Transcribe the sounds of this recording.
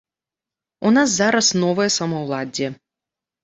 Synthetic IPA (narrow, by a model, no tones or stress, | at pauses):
unaszaɾɐsnɔvɨjɛsɐmɐwlˠad͡zʲɛ